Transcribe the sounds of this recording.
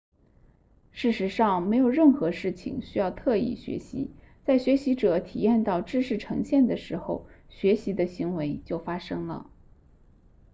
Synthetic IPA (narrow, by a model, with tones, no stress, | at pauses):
ʂɻ̩˥˩ʂɻ̩˧˥ʂɑ˥˩ŋme˧˥ɪjo˨˩ʊɻə˥˩nxɤ˧˥ʂɻ̩˥˩t͡ɕʰḭ˨˩ŋɕy˥jɑ˥˧ʊt̪ʰɤ˥˧ḭ˥˩ɕɥɛ̰˧˥ɕḭ˧˥ | t͡sa˥˩ɪɕɥɛ˧˥ɕi˧˥ʈ͡ʂɤ˨˩˦t̪ʰḭ˨˩jɛ˥˧nt̪ɑ˥˧ʊʈ͡ʂɻ̩˥˧ʂɻ̩˥˩ʈ͡ʂʰɤ̰˧˥ŋɕjɛ˥˩nd̪ə˩ʂɻ̩˧˥xo˥˧ʊɕɥɛ˧˥ɕi˧˥d̪ə˧ɕi˧˥ŋwe˧˥ɪt͡ɕjo˥˩ʊfa˥ʂɤ˥ŋlə̰˨